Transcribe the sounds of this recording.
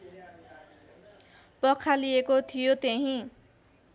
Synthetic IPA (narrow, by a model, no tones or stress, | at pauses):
pʌkʰalijekot̪ʰijot̪eɦĩ